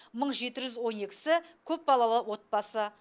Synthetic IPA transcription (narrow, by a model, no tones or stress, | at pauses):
məɴʒe̞t̪ɪʒʏzwo̞ne̞kʲɪ̥sɪkʲʰɵp̚bɑlˠɑlˠəwo̞t̪̚bɑsə